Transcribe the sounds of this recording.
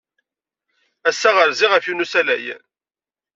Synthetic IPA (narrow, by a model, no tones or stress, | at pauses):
æsːæʁəɾziʁəfjunusælæj